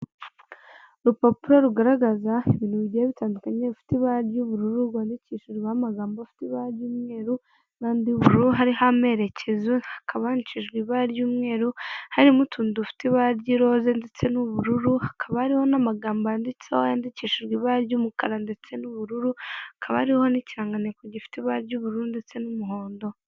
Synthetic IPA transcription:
ɾupopuɾoɾuɡaɾaɡazaeβiːnhuβiɟijeβitaːndukaɲeβifi̥tiβaɾɟuβuɾuɾuɾɡwaːndiciʃuɾiβamaɡaːmbafi̥tiβaːɾɟuːmŋe̞ːɾu | naːndiuβuɾɾuɾuɦaɾihame̞ɾe̞cʰe̞zohakʰaβahniciʒɡwiβaɾɟuːmŋe̞ːɾuhaɾimutʰuːndufi̥tiβaɾɟiɾo̞zendet͡se̞nuβuɾuɾuhakʰaβahaɾiho̞namaɡaːmbaandit͡sehojaːndiciʃuɾɡiβaːɾɟuːmukaɾande̞t͡se̞nuβuɾuɾuhakʰaβahaɾihhoniciɾaːŋɡanekoɟifi̥tiβaɾɟuːβuɾuɾunde̞t͡se̞numuɦo̞ːndo̞

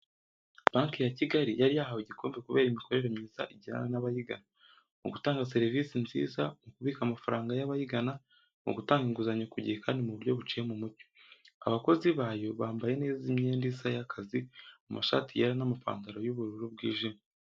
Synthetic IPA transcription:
b̥aːŋkjaciɡaɾijaɾijahawoɟikʰo̞ːmbekuβe̞ːɾimiko̞ɾe̞ɾemɲiːza̰ʔiɟina̰ɾanaβajiɡa̰na | ṵɡutaːŋɡas̬e̞ɾiviːsinzḭːzamukuβiːkamafaɾaːŋɡajaβajiɡana | mṵɡutaːŋɡiŋɡuzaɲokuɟihekʰaːndimuβuɾjo̞βut͡ʃije̞mumuto̥a̰βako̞ziβaːjo̞βaːmbaje̞ne̞ːzimɲendisajakʰazimumʔaʃa̰tijeɾanamapa̰ːndaɾojuβuɾuɾub̚ɡḭːʒina

